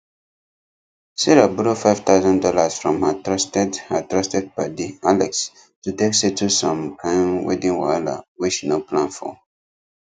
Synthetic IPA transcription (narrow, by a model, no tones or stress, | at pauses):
siɹabɾofaɪv̥t̪aʊzɔ̃ndɔlasfɹɔ̃mhatɹastɛdhatɹastɛd̚badialɛks | tuteksetʰusɔ̃mpʰlãnwḛdĩŋwala̰wiʃinoplãnfɔ̰